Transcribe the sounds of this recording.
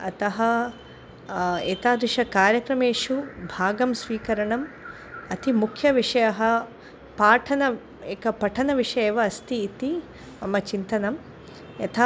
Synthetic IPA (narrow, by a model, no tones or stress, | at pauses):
ɐ̰t̪ɐɦɐ | eːt̪aːd̪ɾuʂɐkaːɾjɐkɾɐmeːʂubʱaːɡɐmsʋiːkɐɾɐɳɐm | ɐt̪imukʰjɐʋiʂɐjɐɦɐ | paːʈʰɐnɐ | eːkɐpɐʈʰɐnɐʋiʂɐjeːʋɐːst̪iːt̪i | mɐmɐt͡ʃint̪ɐnɐm | jɐt̪ʰa